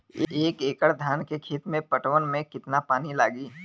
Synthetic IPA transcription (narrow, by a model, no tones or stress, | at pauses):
eːkeːkəɽd̪ʱaːnkekʰeːt̪mẽpɐʈwənmẽkɪt̪napaːnilaːɡiː